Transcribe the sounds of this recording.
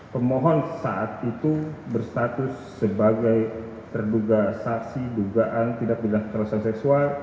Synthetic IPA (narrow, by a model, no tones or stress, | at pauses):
pəmoɦɔnsaʔat̪it̪ubərst̪at̪ʊsːəbaɡaj | t̪ərduɡasaksiduɡaʔant̪idak̚bilaŋt̪ɾlɔsansɛksual